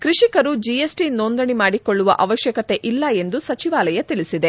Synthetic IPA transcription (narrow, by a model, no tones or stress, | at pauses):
kɾiʂikɐɾud͡ʒijesʈinond̪ɐɳimaːɽikoɭːuʋɐ̰ʔɐʋɐʃjɐkɐt̪e̞ʔilːɐe̞nd̪usɐt͡ʃiʋaːlɐjɐt̪iɭisid̪e̞